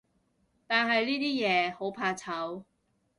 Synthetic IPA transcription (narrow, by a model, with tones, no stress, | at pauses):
t̪aː˨nɦɐ˨jliː˥t̪iː˥jɛː˨˧ho˨˥wpʰaː˧t͡sʰɐ˨˥w